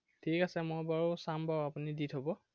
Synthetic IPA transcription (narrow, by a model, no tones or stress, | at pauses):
tʰikasɛmojbaɹosambaɹapuniditɦobɔ